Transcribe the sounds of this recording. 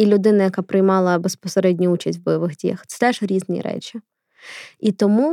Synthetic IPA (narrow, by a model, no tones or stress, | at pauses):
ilʲʊd̪ɪnɐjɐkapɾɪjmɑlˠɐbespɔseɾɛdʲnʲʊut͡ʃɐsʲtʲʋbɔjɔʋɪɣdʲijɐ̰xt̪sɛ̥t̪ɛʒɾʲiznʲḭɾɛ̰t͡ʃi | it̪ɔmu